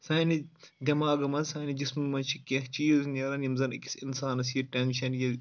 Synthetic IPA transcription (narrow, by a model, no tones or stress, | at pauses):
sɐːnidʲɐmaːɡɐmɐnsɐːnid͡ʒismɐmɐnt͡ʃʰikʲẽht͡ʃiːznʲɐɾɐnimzɐnɐkʲi̥sinsaːnɐsjɐʈʲenʃɐnjɐ